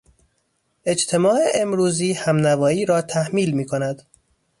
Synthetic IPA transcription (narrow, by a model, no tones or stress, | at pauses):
e̞d͡ʒt̪ʰe̞mɒːeʔemɾuːziːhæmnævɒːiːɾɒːt̪ʰæhmiːlmiːkʰo̞næd̪̥